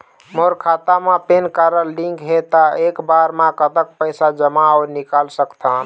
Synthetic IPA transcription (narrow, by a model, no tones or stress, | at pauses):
moɾkʰat̪amẽpenkaɾəlːiŋɡɦet̪aekbaɾmãkət̪ək̚pəjsad͡ʒəmaɔʊɾnikalsəkt̪ʰa